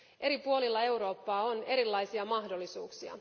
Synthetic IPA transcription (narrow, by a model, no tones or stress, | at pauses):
ʔe̞ɾipuo̞lilːɑe̞wɾo̞ːpːɑːo̞ne̞ɾilːɑjsiɑmɑɦdolːisuːksiɑ̰